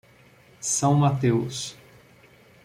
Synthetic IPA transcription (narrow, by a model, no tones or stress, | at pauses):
sɐ̃w̃mat̪ews